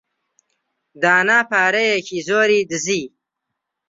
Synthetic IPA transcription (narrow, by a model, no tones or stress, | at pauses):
d̪aːnaːpaːɾejekʰizoːɾid̪əzi